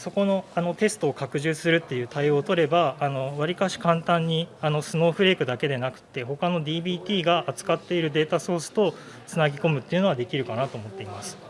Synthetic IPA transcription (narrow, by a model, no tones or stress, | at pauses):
so̞ko̞no̞ano̞t̪e̞sɨ̥t̪o̞ːkakɯ̟ʑɨːsɨɾɯ̟t̪ːe̞jɯ̟ːt̪aio̞ːt̪o̞ɾe̞baːno̞βaɾʲikaɕi̥kãnt̪ãɲ̟ːiano̞sɨno̞ːɸɯ̟ɾe̞ːkɯ̟d̪ake̞d̪e̞nakɯ̟̥t̪ːe̞ho̞kano̞d̪ʲiːbʲiːt̪ʲiːɡaʔːt͡sɨ̥kat̪ːe̞iɾɯ̟d̪e̞ːt̪aso̞ːsɨ̥t̪o̞ | t͡sɨnaɡʲiko̞mɯ̟t̪ːe̞iɯ̟no̞ɡad̪e̞kʲiɾɯ̟kanat̪o̞ːmo̞t̪ːe̞imasɨ̥